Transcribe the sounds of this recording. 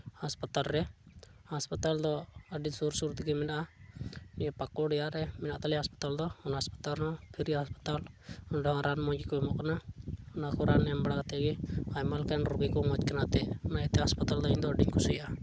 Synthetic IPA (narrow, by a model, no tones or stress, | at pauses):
haspat̪alɾɛhaspat̪ald̪ɔəɖiɲsuɾsuɾt̪ikɛmɛnaʔa | niɛpakɔɖɛjaɾɛmɛnaʔt̪alɛɦaspḁt̪ald̪ɔɔnɦaspḁt̪alnɔpʰiɾiɦaspḁt̪alɔnɖɛɦɔ̃ɾanmɔɲd͡ʒikɔɛmɔʔkanaɔnakɔɾʔanɛmbaɽakat̪ɛɡɛajmalkanɾuɡɛkɔmad͡ʒkanat̪ɛʔnaɛt̪ɛɦaspat̪ald̪ɔiɲd̪ɔəɖiɲkusujʔa